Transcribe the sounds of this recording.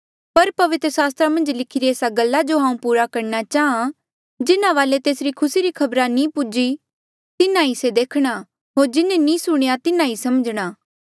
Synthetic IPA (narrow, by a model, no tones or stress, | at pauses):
pɐɾpɐʋɪt̪ɾəsaːs̬t̪ɾamɐ̃nd͡ʒlɪkʰɪɾieːsaɡɐlːad͡ʒoɦãːũpuːɾakɐɾnat͡ʃaːã | d͡ʒɪnãʋaːlet̪eːsɾikʰʊsiɾikʰɐbɾanĩːpʊd͡ʒi | t̪ɪnãised̪eːkʰɽ̃a | ɦoːɾd͡ʒɪnẽnĩːsʊɽ̃ejat̪ɪnãisɐməd͡ʒɽ̃aː